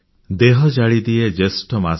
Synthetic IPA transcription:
d̪eɦɔd͡ʒaɭid̪ied͡ʒesʈɔma

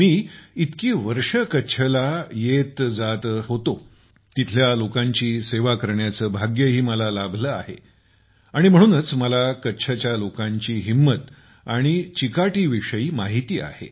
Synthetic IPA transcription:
miːit̪kiːʋəɾʂəkətːɕʰəlajet̪d͡zat̪ɦot̪o | t̪it̪ʰljalokãɲt͡ɕiːseʋakəɾɳjat͡səːbʱaɡjəɦiːməlalabʱləa̰ɦe | aɽ̃im̤əɽ̃uːnət͡sməlakətːɕʰat͡ɕjalokãɲt͡ɕiːɦimːət̪ | aɽ̃it͡ɕikaʈiːʋiʂəiːmaɦit̪iːa̰hḛ

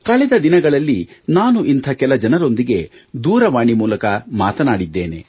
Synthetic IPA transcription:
kɐɭɛd̪ɐd̪inɐɡɐɭɐlːinaːnuʔint̪ʰɐkɛlɐd͡ʒɐnɐɾo̞nd̪iɡe̞d̪uːɾɐʋaːɳimuːlɐkɐmaːt̪ɐnaːɽid̪ːe̞ːne̞̰

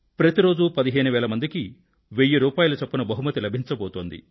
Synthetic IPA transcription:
pɾɐt̪iɾo̞ːd͡ʒupɐd̪iɦeːnuʋɛːlɐmɐnd̪iki | ʋejːiɾuːpaːjulɐt͡ʃɐpːunɐbɐɦumɐt̪ilɐbʱiɲt͡ʃɐbɔːt̪oːnd̪ḭ

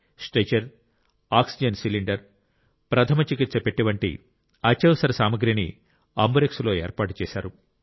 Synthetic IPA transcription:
sʈet͡ʃɐɾ | aːksid͡ʒɐnsiliɳɖɐɾ | pɾɐt̪ʰɐmɐt͡ʃikit̪sɐpeʈːiʋɐɳʈḭ | ɐt͡ʃːɐʋɐsɐɾɐsaːmɐɡɾinḭ | ɐmbɐɾekslo̞ːeːɾpaːʈu̥t͡ʃɛːsaːɾu

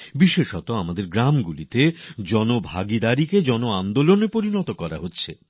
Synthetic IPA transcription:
biʃeʃɔt̪oamad̪eɾɡɾamɡulit̪ed͡ʑɔnobʱa̰ɡid̪aɾiked͡ʑɔnoand̪olonepoɾinɔt̪okɔɾa̰ɦotːɕʰe

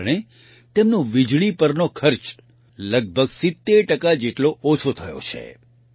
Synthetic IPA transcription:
ɳ̃e | t̪emnũʋid͡ʒɭipəɾnokʰəɾt͡ʃ | ləɡ̚bʱəɡsɪt̪ːeɾʈəkad͡ʒeʈloʔɔt͡ʃʰot̪ʰəjo̰t͡ʃʰḛ

